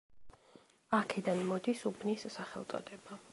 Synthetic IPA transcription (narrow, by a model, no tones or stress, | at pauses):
akʰɛd̪anmɔd̪isubʰnisːaχɛ̰lˠt̪sʼɔ̰d̪ɛba